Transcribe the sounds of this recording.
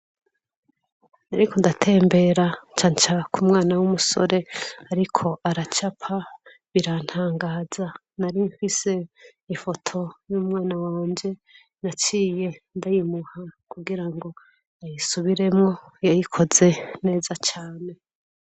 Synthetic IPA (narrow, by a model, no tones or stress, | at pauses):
naɾikʰondatʰe̞ːmbe̞ɾat͡ʃaːnt͡ʃakumŋaːnawumuso̞̰ɾe̞aɾikʰo̞ʔaɾat͡ʃapʰa | βiɾan̥haːŋɡaːza | naɾiɱfise̞ifo̞tʰo̞juːmŋaːnawaːɲd͡ʒe̞ | nat͡ʃiːje̞ndajimuhakuɡiɾaŋɡo̞ | ajisuβiɾe̞mŋo̞jajikʰo̞ze̞ne̞ːzat͡ʃaːne̞